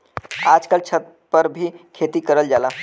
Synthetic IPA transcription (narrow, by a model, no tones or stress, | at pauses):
ad͡ʒkalt͡ʃʰət̪̚ | pəɾbʱikʰet̪ikəɾəld͡ʒala